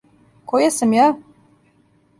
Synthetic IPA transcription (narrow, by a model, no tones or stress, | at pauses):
kɔjasamjaː